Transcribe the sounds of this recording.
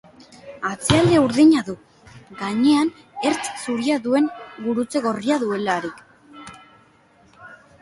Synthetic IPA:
at͡siald̪e̞uɾðiɲaðu | ɡaɲe̞an | e̞ɾt͡ssuɾiaðue̞ŋɡuɾut͡se̞ɣo̞riaðue̞laɾik

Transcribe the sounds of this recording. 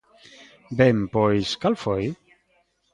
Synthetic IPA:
bempojskalfoj

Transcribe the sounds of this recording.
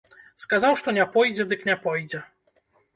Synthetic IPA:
skazawʂt̪ɔnʲɛpɔjd͡ʑʲɛd̪ɨknʲɛpɔjd͡ʑʲɛ

